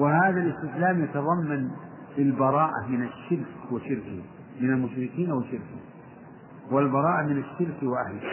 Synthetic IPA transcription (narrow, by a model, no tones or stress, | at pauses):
wɪhaːðalɪst̪ɪslaːmjat̪ɑðˤɑmːan | lɪlbɑɾˤɑːʔa̰mɪnaʃːɪɾkwaʃɪɾkɪh | mɪnalmʊʃɾɪkiːnawɪʃɪɾkɪ | walbɑɾˤɑːʔamɪnaʃːɪɾkwɪʔahlɪh